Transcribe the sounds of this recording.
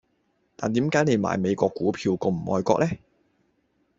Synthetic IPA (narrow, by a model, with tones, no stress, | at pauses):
t̪aː˨nt̪iː˨˥mkaː˨˥jne˨˧jma̰ː˨jme˨˧jkʷɔː˧kːuː˨˥pʰiː˧wkɔ˧m̩˨˩ʔɔ̰ː˧jkɔ̰ː˧k̚lɛ˥